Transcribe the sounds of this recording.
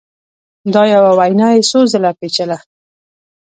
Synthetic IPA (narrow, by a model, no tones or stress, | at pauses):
d̪ɑjawawajnɑjesozəlapet͡ʃəla